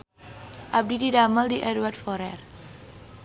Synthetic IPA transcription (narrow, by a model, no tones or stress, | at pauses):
ʔab̚dididaməldiʔɛdwardfɔɾɛr